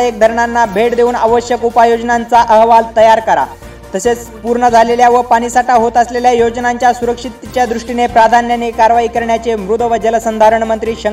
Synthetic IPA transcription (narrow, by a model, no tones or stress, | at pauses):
ek̚d̪ʱəɾɳanːabʱeʈd̪euːnəʋəɕjəkupajod͡ʑnant͡saʔəɦʋalt̪əjaɾkəɾa̰ | t̪əset͡spuɾɳəd͡zʱaleljaʋəpaɽ̃isaʈaɦot̪əsleljajod͡znaɲt͡ɕjasuɾəkʂit̪t͡ɕjad̪ɾuʂʈinepɾad̪ʱanjanekaɾʋaɦikəɾɳjat͡semɾud̪ʱʋəd͡ʑələsənd̪ʱaɾəɳmənt̪ɾiːɕə